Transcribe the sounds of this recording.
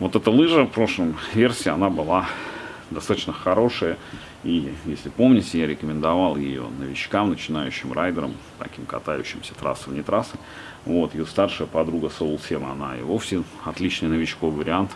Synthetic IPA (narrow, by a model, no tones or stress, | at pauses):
vo̞t̪ɛt̪əlˠɨʐəfpɾo̞ʂlˠəmvʲe̞rsʲɪːɐnabɨlˠa | d̪ɐst̪at̪ət͡ɕnəxɐɾo̞ʂəjə | ijesʲlʲɪpo̞mnʲɪtʲɪjaɾʲɪkəmʲɪnd̪ɐvalˠjɪ̰jo̞̰nəvʲɪt͡ɕkamnət͡ɕɪnajʉ̰ɕːɪmrajd̪əɾə̰m | t̪ɐ̰kʲimkɐ̰t̪ajʉ̰ɕːɪmsʲə̥t̪ɾa̰səvnʲɪt̪ɾasɨ | vo̞t̪jɪjost̪arʂɨjəpɐd̪ɾuɡəsoʊlˠsʲemɐ̰na̰ḭvofsʲɪɐt̪lʲit͡ɕnɨjnəvʲɪt͡ɕkovɨvəɾʲɪant̪